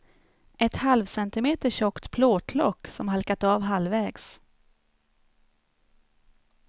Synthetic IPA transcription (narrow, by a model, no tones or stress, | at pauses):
ʔɛt̪halvsɛnt̪ɪmeːt̪əɕɔkt̪pʰloːt̪ʰlɔkːsɔmɦalkat̪ɑːvɦalvɛːɡs